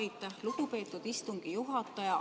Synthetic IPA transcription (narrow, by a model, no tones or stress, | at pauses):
jt̪ːˑɑhluɡ̥upe̞ːt̪ːˑud̪̥ist̪uŋɡ̥ijuɦɑt̪ːˑɑjɑ